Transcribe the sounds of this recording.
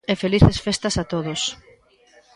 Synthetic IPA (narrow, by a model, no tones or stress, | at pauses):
efeliθesfest̪ɐsat̪oðos